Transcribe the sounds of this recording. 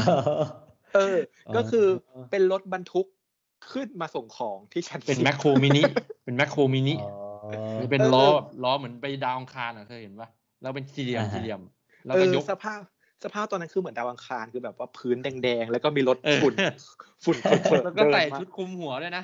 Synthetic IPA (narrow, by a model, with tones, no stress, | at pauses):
ʔɤː˧ | kɔː˥˩kʰɯː˧pe˧nlo˦˥t̪̚ba˧nt̪ʰu˦˥kʰː | ɯ˥˩nmaː˧so˨˩˦ŋkʰɔː˩˦ŋt̪ʰiː˥˩t͡ɕʰa˦˥˩ne˧nmɛ˦˥kʰoː˧mi˦˥ni˦˥pe˧nmɛ˦˥kʰːoː˧miː˦˥ni˦˥ | a˧pe˧nlɔː˦˥˨lɔː˦˥mɯ˩˦ənpa˧jdaː˧wʔa˧ŋkʰaː˧nʔa˨˩kʰɤː˧he˩˦nwaː˧˥˩ | lɛː˦˥wp̬e˧nsi˧li˧əmsi˧li˧˩əm | lɛː˦˥ʔɤːkɔ˧˦˥sa˧pʰaː˥˩p̚ | sa˧pʰaː˥˩p̚t̪ɔː˧nːa˦˥nkʰɯː˧mɯ˩˦əndaː˧wʔa˧ŋkʰaː˧nkʰɯː˧bɛː˨˩p̚waː˥˩pʰɯː˦˥ndɛː˧ŋdɛː˧ŋlɛ˦˥wkɔ˥˩miː˧ɾo˦˥t̪̚ːfu˨˩n | fu˨˩nfʰu˨˩n˨˩˨kɔː˥ɤː˧sa˨˩jʰu˦˥t̪̚kʰu˧mhu˨˩˦ɐdu˥˩jna˦˥ʔ